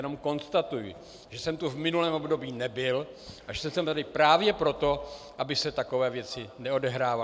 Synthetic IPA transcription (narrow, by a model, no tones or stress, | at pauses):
jɛno̞mko̞nst̪at̪ujɪ | ʒɛsɛmt̪uvmɪnulɛːmobdo̞biːnɛbɪl | ʔaʒɛsɛmsɛmt̪adɪpɾaːvjɛpɾo̞t̪o̞ | ʔabɪsɛt̪ako̞vɛːvjɛt͡sɪnɛo̞dɛɦɾaːva